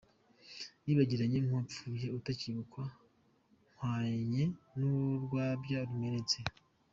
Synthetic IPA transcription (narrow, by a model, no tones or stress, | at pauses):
niːβaɟiɾaɲeŋ̥wap͡fuːje̞utaciβukwa | ŋ̥waːɲe̞nuɾɡwaːbɟaɾume̞net͡se